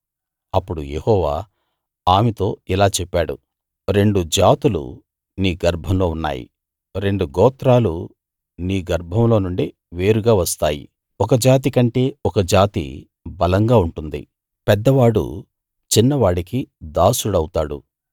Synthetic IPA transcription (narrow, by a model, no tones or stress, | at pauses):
ɐpːuɽujehɔːʋa̰ː | aːmet̪o̞ːilaːt͡ʃɛpːaːɽṵ | ɾe̞ɳɖud͡ʒaːt̪ulṵ | niːɡɐɾbʱɐmlo̞ːunːa̰ːjḭ | ɾe̞ɳɖuɡɔːt̪ɾaːlu | niːɡɐɾbʱɐmlo̞ːnuɳɖi | ʋe̞ːɾuɡaːʋɐst̪aːjḭ | ɔkɐd͡ʒaːt̪ikɐɳʈe̞ːɔkɐd͡ʒaːt̪ḭ | bɐlɐŋɡaːuɳʈund̪ḭ | pɛd̪ːɐʋaːɽṵ | t͡ʃinːɐʋaːɽikid̪aːsuɽɐwut̪aːɽṵ